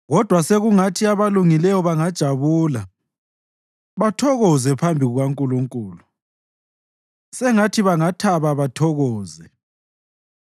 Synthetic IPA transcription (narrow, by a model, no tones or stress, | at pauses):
ɣɔd̥ʱwaseɣuŋatʰiaβaluŋilɛjɔβaŋad̥ʒ̥ʱaβuːla | βatʰɔɣɔzɛpʰambʱiɣuɣwaŋkʼuluŋkʼuːlu | sɛŋatʰiβaŋatʰaβaβatʰɔɣɔːzɛ